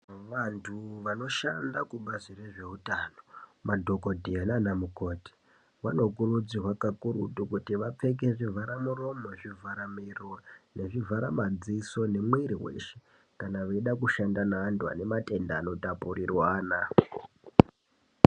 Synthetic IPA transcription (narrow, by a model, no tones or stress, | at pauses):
ʋantʰuʋano̞ʃandakuɓazire̞ʐe̞ɦutaːnomadʱo̞ko̞dʱiananamuko̞ːti̥ | ʋano̞kurud͡zirwakakuɾutukutiʋap͡fe̞k̬eʐivaɾamuro̞mo̞ʐivaɾamirone̞ʐivaɾamad͡ziso̞ne̞mwiɾiwḛʃe | kanaʋeiɗakuʃandanaːntua̰ne̞mate̞ndaːno̞tapurirwaːna